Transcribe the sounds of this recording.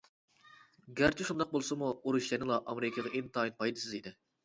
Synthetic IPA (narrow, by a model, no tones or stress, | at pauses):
ɡʲæɾt͡ʃʰiʃund̪ɑq̚bolˠsɨmuuɾuʃjɛnɨlˠɑʔɑmɾɪkʲʰəʁɛʔent̪ʰɑinpʰɑjd̪ɨsɪzid̪ɪ